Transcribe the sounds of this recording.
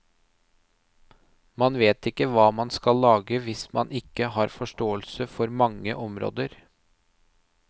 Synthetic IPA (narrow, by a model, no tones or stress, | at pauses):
mɑnʋeːt̪ɪkːəʋɑːmɑnskɑlːɑːɡəʋɪsmɑnɪkːəɦɑːɾfɔʂʈoːəlsəfɔɾmɑŋːəʔɔmɾo̰ːd̪əɾ